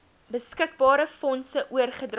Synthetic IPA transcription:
bəskək̚bɑːɾəfɔnsəʔuərχədr

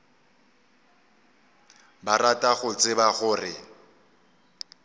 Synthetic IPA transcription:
baratʼaɣʊt͡sʼɪbaɣʊːrɪ

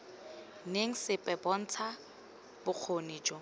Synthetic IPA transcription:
neŋ̩sɪpʼɛbɔn̩t͡sʰa | bʊq͡χʰoniːd͡ʒɔ

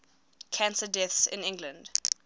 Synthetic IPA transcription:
kʰãnsədɛθsɪ̰̃nɪ̃ŋɡlə̃nd

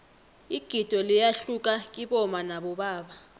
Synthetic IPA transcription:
iɡ̥ʱid̥ʱɔlijaɬuk̬ʼak̬iɓɔmanaɓɔɓaːɓa

